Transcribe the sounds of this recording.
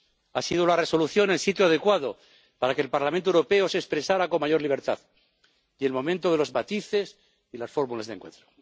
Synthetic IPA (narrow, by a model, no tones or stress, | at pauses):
asiðolare̞so̞luθjo̞nelsit̪joaðe̞kwaðo̞ | paɾakeːlpaɾlamẽnt̪oewɾo̞pe̞osespɾesaɾako̞maʝo̞ɾliβ̞e̞ɾt̪a̰ð | je̞lmo̞mẽnt̪o̞ð̞e̞lo̞zmat̪iθe̞s | ilasfo̞ɾmulazðeŋkwe̞̰nt̪ɾo̥